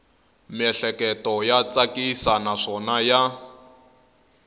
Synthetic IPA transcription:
mɛɬɛkɛtɔjat͡sʼakʼisanaʂɔnaja

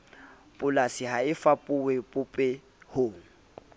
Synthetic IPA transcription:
pʼʊlasɪhaɪfapʼʊwɛpʼʊpʼɛ | hoːŋ̩

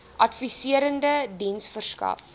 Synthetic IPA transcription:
ʔɐtfisiəɾəndədinsfərskɐ̰f

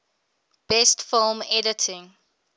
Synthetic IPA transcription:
b̥ɛstfɪlˠmɛdətʰɪ̃ŋ

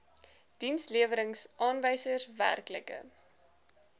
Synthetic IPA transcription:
d̥insliəvəɾəŋsʔɑːnvɛjsərsvæ̰rklə̰kə̰

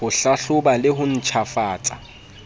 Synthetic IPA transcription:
ʊɬaɬʊbalɪɦʊn̩t͡ʃʰafaːt͡sʼḁ

